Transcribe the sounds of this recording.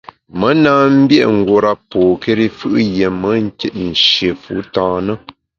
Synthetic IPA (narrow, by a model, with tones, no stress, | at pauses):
mə˦naː˦m̩˦bjɛ˦ʔŋ̩˨ɡwo˨ɾa˦poː˨ke˦ɾi˦fɯ˦ʔje˨mə˨˦ŋ̩˦ke˦t̚n̩˨ʃje˨fṵ˦tãː˦nə˦